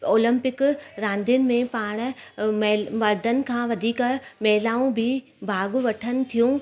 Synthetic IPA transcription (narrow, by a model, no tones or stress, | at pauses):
oːlə̃mpɪkɾãːnd̪ʱijənɪ̆mẽpaːɽ̃̆mɛmɐɾd̪ʱənɪ̆kʰãːʋɐd̪ʱiːkmɛɦɪlaːũbʱɪ | bʱaːɡʊʋɐʈʰənɪ̆t̪ʰijũ